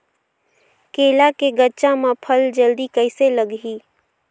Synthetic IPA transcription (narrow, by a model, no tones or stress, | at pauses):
keːlakeɡəːʃãmãpʰəld͡ʒəld̪ikəɪseləɡɦi